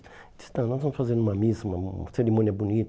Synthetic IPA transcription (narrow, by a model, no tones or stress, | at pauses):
d͡ʒi̥st̪ɐ̃nɔ̃zvɐ̃mʊsfazẽɾd̪ũmɐmizɐũmɐɐseɾimõniɐbunit̪